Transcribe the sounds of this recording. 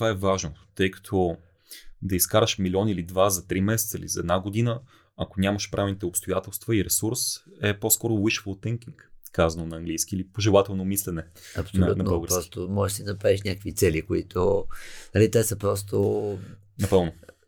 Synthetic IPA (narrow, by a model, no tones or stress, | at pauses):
t̪ovaɛvaʒnot̪ɤjkɐ̥t̪ʰɔ | d̪ɐiskaɾəʃmilʲɔnilid̪vazɐt̪ɾimɛsɛt̪səḭlizɐɛːd̪naɡod̪inə | ɐkonʲamɐʃpɾʔavɛlnit̪ɛopst̪ojat̪ɛlˠst̪vəiɾɛsuɾsɛposkɔɾowiʃflˠt̪ɛŋkiŋkkːazɐnonɐːŋɡlijskʲiilipoʒɛlˠat̪ɛlˠnomislɛnɛ | ɐpsolʲutnɐbəlˠɡəɾpɾsɔsit̪omɔʒɛʃd̪iinɐpɾaviʃnʲakəkvit̪sɛlikoit̪onɐlit̪ɛsəpɾɔst̪o | nɐpɤlˠno